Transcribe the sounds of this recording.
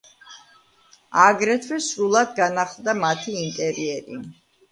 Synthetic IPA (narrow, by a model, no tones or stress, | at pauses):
aɡɾɛt̪ʰwɛsɾulˠad̪ɡanaχlˠd̪amat̪ʰiːnt̪ʼɛɾiɛɾi